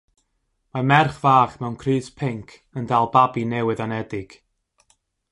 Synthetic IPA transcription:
mamɛrχv̥aːχmɛwnkʰrɨːspʰɪŋkʰ | əndalˠbabinɛwɨðɔnɛdɪɡ̥

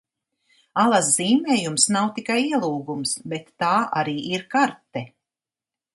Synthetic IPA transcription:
alˠasz̥iːmɛːjumsnawt̪ikajiɛlˠuːɡumsbet̪ːaːʔaɾiːʔiɾkaɾt̪ɛ

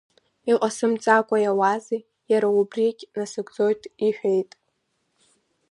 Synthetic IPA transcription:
iqʼasɨmt͡sʼakʷʼajawazi | jaɾaubrikʲʼnasɨɡʷʼd͡zo̞jtʼiħᶣejtʼ

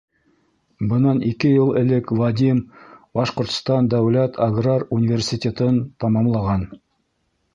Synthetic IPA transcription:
bɤ̆nɑnikɘjɤlˠɘ̆lɘkvad̪ʲimbɑʃqŏɾt̪st̪ɑnd̪æwlæt̪ʰaɡrarunʲivʲersʲitʲet̪ɤnt̪ɑmɑmlˠɑʁɑn

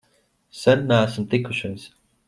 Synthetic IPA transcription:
sɛnːææsmt̪ikːuʃejs

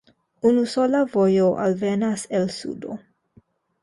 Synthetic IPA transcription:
unuso̞lavojoʔa̰lvenaselsṵdo̰

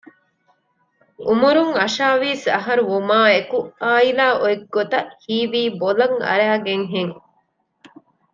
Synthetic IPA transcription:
umuɾuŋɐʃaːʋiːsɐɦɐɾuumaːekuʔaːilaːʔoeɡːot̪ɐʔhiːʋiːbolɐŋɐ̰ɾæːɡeŋɦeŋ

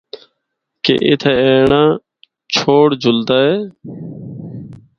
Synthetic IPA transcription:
kḛːʔɪ̰t̪ʰeːeːɳãː | t͡ʃʰoːɽd͡ʒʱʊld̪aːɦeː

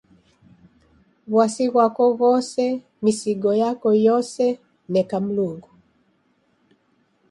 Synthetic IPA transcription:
βwasiɣwakɔɣɔsɛ | misiɡɔjakɔjɔsɛ | nɛkam̩luŋɡu

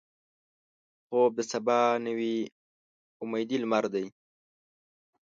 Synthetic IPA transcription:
xob̪əsabɑnəwi | ʊmajd̪ilmaɾd̪aj

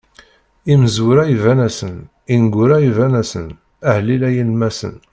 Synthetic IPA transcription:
iməzʊɾaivænæsən | inɡʷʊɾaivænæsən | əhlilæjilmæsə̰n

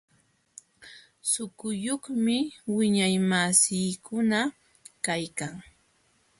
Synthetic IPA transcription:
sʊkʊjoχmɪwɪɲajmasɪːkʊna | kajkaŋ

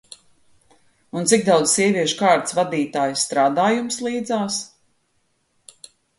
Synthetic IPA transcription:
unt̪sikd̪awd̪zsiɛviɛʃu̥kaːɾt̪svad̪iːt̪aːjsːt̪ɾaːd̪aːjumslˠiːd̪zaːs

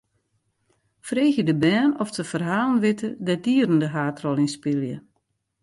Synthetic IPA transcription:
freːxjədəbɛːnɔftəfərɦaːlˠənʋɪtədɛdiəɾəndəɦaːtrɔlˠinspɪlˠjə̰

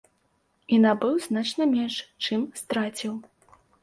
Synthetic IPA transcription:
inabɨwznat͡ʂnɐmʲɛnʂt͡ʂɨmst̪ɾat͡sʲiw

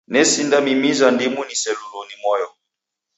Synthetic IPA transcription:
nɛsindamimizandimunisɛlulonimɔjɔ

